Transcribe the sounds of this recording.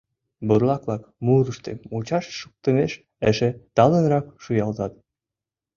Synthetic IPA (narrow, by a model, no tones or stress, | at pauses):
buɾlˠɑklˠɑkmuɾuʃt̪ḛmut͡ɕɑʃːuk̚t̪ə̆meʃ | əʃĕt̪ɑlˠə̆nɾɑkʃujɑlˠt̪ɑt̪̚